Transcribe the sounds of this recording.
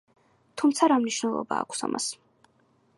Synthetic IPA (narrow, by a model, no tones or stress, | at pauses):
t̪ʰumt̪sʰaɾamniʃwnɛlˠɔ̰baːkʷʰsa̰mʔas